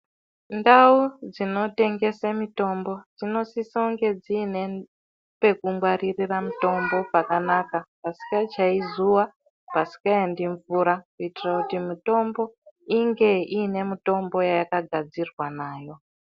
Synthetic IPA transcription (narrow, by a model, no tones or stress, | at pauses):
ndaud͡zino̞te̞ŋɡe̞samito̞mbo̞d͡zino̞sisauŋɡe̞d͡ziːne̞ | pe̞kumɡwaririramito̞mbo̞pakanakapasi̥kat͡ʃaizuwa | pasi̥kaendiɱvuɾakuitirakutimito̞mbo̞iŋɡe̞ine̞mito̞mbo̞jajakaɡʱad͡zirwanaːjo̞